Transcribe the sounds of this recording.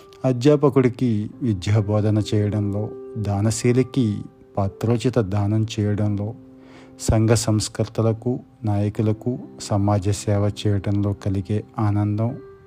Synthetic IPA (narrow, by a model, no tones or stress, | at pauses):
ɐd̪jaːpɐkuɽikiʋid̪jaːbɔːd̪ʱɐnɐt͡ʃɛːjɐɽɐnlo̞ːd̪aːnɐsiːliki | paːt̪ɾoːt͡ʃit̪ɐd̪ʱaːnɐmt͡ʃɛːjɐɽɐmlo̞ː | sɐŋɡʱɐsɐmskɐɾt̪ɐlɐku | naːjɐkulɐkusɐmaːd͡ʒɐsɛːʋɐt͡ʃɛːjɐɽɐnlo̞ːkɐliɡeːaːnɐnd̪ɐm